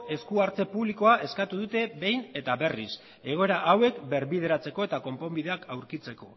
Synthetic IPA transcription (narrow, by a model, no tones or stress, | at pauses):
e̞skuaɾt͡se̞puβliko̞aʔe̞skat̪uðut̪e̞βe̞jne̞t̪aβe̞rḭs | e̞ɣ̞o̞e̞ɾaʔawe̞kbe̞ɾβið̞e̞ɾat͡se̞ko̞e̞t̪ako̞mpo̞mbiðe̞akawɾkit͡se̞ko̞